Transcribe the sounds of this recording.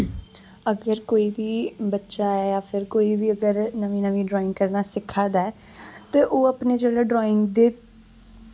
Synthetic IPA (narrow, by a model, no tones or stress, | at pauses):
əɡəɾkoːiːbiːbətːʃaːɛːjaːpʰɪɾkoːiːbiːəɡəɾnəʋĩːnəʋĩːɖɾɔːɪ̃ŋɡkəɾnaːsɪkʰːaːd̪aɛː | t̪eːʔoːəpneːd͡ʒeːɽaːɖɾɔːɪ̃ŋɡd̪eː